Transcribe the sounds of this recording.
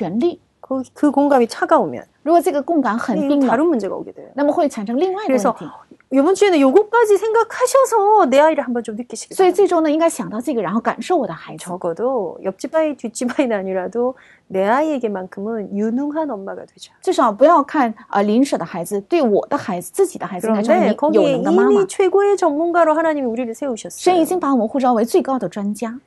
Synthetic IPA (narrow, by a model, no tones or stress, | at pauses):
ɥɛnli | kɯkɯkoŋɡamit͡ɕʰaɡaomjʌ̰nɻuɡwɔʈ͡ʂɤɡəkʊŋkanxəiŋd̪əaɾɯnmund͡ʑeɡa̰o̰ɡedwejonaməxweɪʈ͡ʂʰanʂɤŋliŋwaɪɡɾesʰʌtʰi | jobunt͡ɕʰienɯnjoɡok͈ad͡ʑisʰeŋɡakʰaɕʰʌsʰʌneaiɾɯhambʌnt͡ɕomnɯk͈ːiɕʰi̥kʰeswɔit͡sɪʈ͡ʂʊŋnəiŋkaɪɕjɑŋt̪ɑʊʈ͡ʂɤɡəɻənxoʊkanʂoʊwɔd̪əxaɪd͡zɹɔɡɔdojʌp̚t͡ɕibaitɥit͡ɕ͈ibainnaɲiɾado | neaieɡemankʰɯmɯnjunuŋɦanʌnmaɡa̰dwed͡ʑo̥t͡ɕweʂɑʊp̬ujɑʊkʰanə̰linʂəd̪əxaɪd͡zɹ̩t̪weɪwɔ̰d̥̪əxaɪd͡zɹ̩t͡sɹ̩t͡ɕid̪əxaɪd͡zaekɔɡjoəndəimait͡ɕʰweɡoet͡ɕʌŋmunɡwaɾohanaɲimiuɾiɾɯsʰe̞uɕʰʌsʂenit͡ɕiŋpawɔxuʈ͡ʂɑʊweɪt͡sweɪkɑʊd̪əʈ͡ʂwant͡ɕja